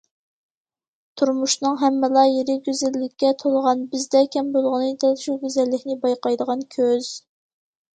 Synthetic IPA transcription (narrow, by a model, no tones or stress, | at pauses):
t̪ʰuɾmuʃnɨŋɦɛmːɪlˠɑjeɾɪɡʲyzɪlːɪkʲːɛt̪ʰolˠʁɑnbɪzd̪ɛkʲʰɛmbolˠʁənɨd̪ɛʃuɡʲøzælːɪkʲnɪbɑjqɑjd̪əʁɑnkʲʰøz̥